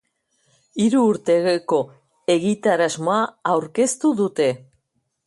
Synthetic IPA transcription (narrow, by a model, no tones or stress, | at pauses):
iɾuːɾt̪e̞ɣeko̞ | e̞ɣit̪aɾazmo̞aawɾke̞st̪uðut̪e̞